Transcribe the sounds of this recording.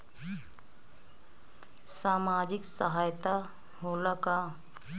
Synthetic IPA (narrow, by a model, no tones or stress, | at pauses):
saːmaːd͡ʒɪksəɦaːjt̪a | ɦoːlaka